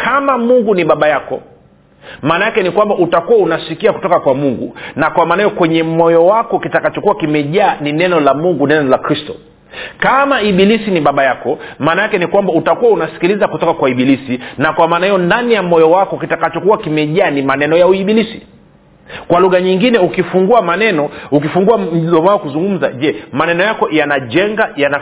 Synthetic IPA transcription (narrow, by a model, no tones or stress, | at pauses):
kʰamamuŋɡuniɓaɓajakɔ̰ | maːnajakɛnikwambaʔutakuwaunasikiaku̥tɔkakwamuŋɡṵnakwamaːnajɔkwɛɲɛmɔjɔwakɔkitakat͡ʃɔkuakimɛʄaːninɛnɔlamuŋɡunɛnɔlakɾistɔ̰ | kamaiɓilisiniɓaɓajakɔmaːnajakɛnikwambautakuwaunasi̥kilizakutɔkakwaiɓilisinakwamaːnahijɔndanijamɔjɔwakɔkitakat͡ʃɔkuwakimɛʄaːnimanɛnɔjauiɓilisi̥ | kwaluɣaɲiŋɡinɛukifuŋɡuamanɛnɔukifuŋɡuam̩lɔmaɔkuzuŋɡum̩za̰ʄɛmanɛnɔjakɔjanaʄɛŋɡajana